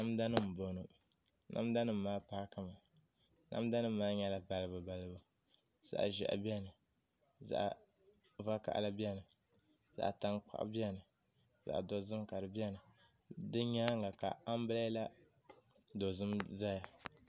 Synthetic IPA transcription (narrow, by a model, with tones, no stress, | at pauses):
na˦m˦da˦nɨ˦m̩˨bo˨nɨ˨nʔa̰˦m˦da˦nɨ˦m̩˦maː˦pa˦ka˦ma˨ | nʔa̰˦mda˦nɨ˦m̩˦maː˦ɲɛ˦la˦ba˨lɨ˦bɨ˨ba˨lɨ˦bu˨ | z̥a̰˨ʔʒɛ̰˨ʔa̰˨bi˦ɛ˦nɨ˨ | za̰˨ʔ | va˦ka̰˨ʔla˦bi˦ɛ˦˨nɨ˨ | za̰˨ʔta˦ŋk͡pa̰˦ʔbi˦ɛ˦nɨ˨ | za̰˨ʔdo˨zɨ˦mka˨ɾɨ˨bi˦ɛ˦nɨ˨ | dɨ˦ɲa˦ŋa˨ka̰˨a˦m˦bɨ˦la˦la˦ | do˨zɨ˦mza˦ja˨